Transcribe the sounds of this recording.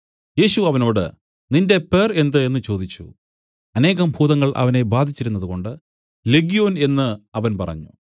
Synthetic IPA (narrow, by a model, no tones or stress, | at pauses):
je̞ːɕuɐʋɐno̞ːɽɨ̰ | ninde̞pe̞re̞nd̪ɨe̞nːɨt͡ɕo̞ːd̪it͡ɕːṵ | ɐne̞ːɣɐmbʱuːd̪ɐŋːɐɭʔɐ̰ʋɐne̞baːd̪ʱit͡ɕːiɾunːɐðuɣo̞ɳɖɨ | leɡijo̞ːne̞nːɨɐʋɐnpɐ̰rɐ̰ɲːṵ